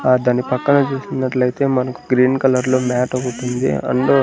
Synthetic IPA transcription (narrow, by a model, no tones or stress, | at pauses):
d̪aːnipɐkːɐnɐt͡ʃuːsunːɐʈlɐjt̪e̞ːmɐnɐku̥ɡɾiːnkɐlɐɾlo̞ːmaːʈɐɡuʈund̪ḭɐ̰ɳɖo